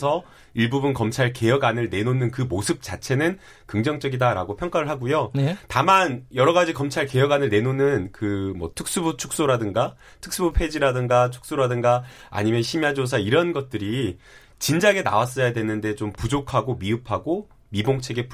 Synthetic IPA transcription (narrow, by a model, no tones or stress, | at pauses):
sʰʌ | iɭbubunkʌmt͡ɕʰaɭke̞jʌɡanɯɭne̞nonɯnkɯmosʰɯp̚t͡ɕ͈at͡ɕʰe̞nɯn | kɯŋd͡ʑʌŋt͡ɕ͈ʌɡidaɾa̰ɡopʰjʌŋk͈aɾɯɭɦaɡujotamanjʌɾʌɣad͡ʑikʌmt͡ɕʰaɭke̞jʌɡanɯɭne̞nonɯnkɯmwʌtʰɯk̚s͈ɯbut͡ɕʰu̥k̚s͈oɾadɯŋɡa | tʰɯ̥k̚s͈ɯbupʰe̞d͡ʑiɾadɯŋɡat͡ɕʰu̥k̚s͈oɾadɯŋɡa | a̰ɲimjʌnɕʰimjad͡ʑos̬ʰaiɾʌnɡʌt̚t͈ɯɾi | t͡ɕind͡ʑaɡe̞na̰was̬͈ʌjadwe̞nɯnde̞t͡ɕompud͡ʑokʰaɡomiɯpʰaɡo | miboŋt͡ɕʰe̞ɡe̞p